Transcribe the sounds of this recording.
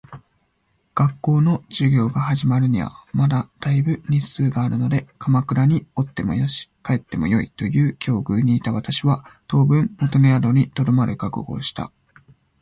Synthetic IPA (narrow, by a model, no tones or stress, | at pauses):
ɡ̥akːo̞ːno̞d͡ʑɨɡʲo̞ːɡahaʑimaɾɯ̟ɲ̟iβa̰mad̪ad̪̥aibɯ̟ɲ̟isɨːɡaːɾɯ̟no̞d̪e̞kʰamakɯ̟ɾaɲ̟io̞t̪ːe̞mo̞̰joɕi̥kae̞t̪ːe̞mo̞̰jo̞ḭt̪o̞jɯ̟ːkʲʰo̞ːɡɯ̟ːɲ̟iːt̪aβat̪aɕiβat̪o̞ːbɯ̟̃mmo̞t̪o̞nead̪o̞ɲ̟it̪o̞d̪o̞maɾɯ̟kakɯ̰ɡo̞̰ːɕi̥t̪a̰